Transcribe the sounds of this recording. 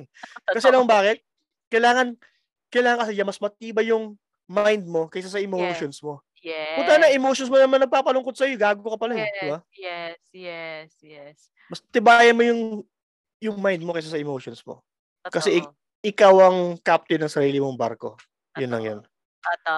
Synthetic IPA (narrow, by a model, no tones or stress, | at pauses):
kɐs̬ɛnɐbaːkɪt̪̚ | kɐjlaːŋɐn | kɐjlaːŋɐŋkɐsɛɲamɐsmɐt̪̚iːbɐjʊŋ | majnd̪̚mo̞kɐsasɐʔɪmoʃonsmo̞ | jɛpunt̪ɐnɐŋʔɪmowʃons̬monɐmanːɐɡ̚paːpɐlʊŋko̞d̪̚sɐjoɡaːɡokokɐpɐlajɛd̪ɪba | ɛsjɛsjɛs | mɐsɐt̪ɪbajɐnmo̞jʊŋ | jʊŋmajnd̪̚mo̞kɛjsasɐʔɪmoːʃonsmo̰ | kɐsɛʔɪ | ʔɪkawɐŋkap̚t̪ɪnɐŋsɐɾiːlɪmoŋba̰ɾko̞̰ | jʊnlɐ̰ŋjo̰n